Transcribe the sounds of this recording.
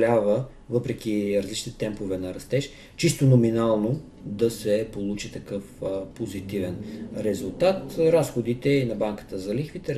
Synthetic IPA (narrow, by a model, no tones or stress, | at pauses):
lʲavə | vɤpɾɛk̟iɾɐzlit͡ʃnit̪ɛt̪ɛmpovɛnɐɾɐst̪ɛʃ | t͡ʃist̪onominalˠno | d̪ɐsɛpolˠut͡ʃit̪ɐkɤfpozit̪ivɛnɾɛzulˠt̪at̪ɾasxod̪it̪ɛinɐbaŋkə̥t̪əzɐlixvit̪ɛ